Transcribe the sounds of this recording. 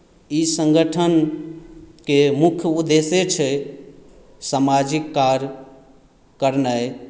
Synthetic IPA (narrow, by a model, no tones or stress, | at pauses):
isəŋɡəʈʰən | kemukʰjəud̪eset͡ʃʰɛ | samad͡ʒikːaɾ | kəɾnaj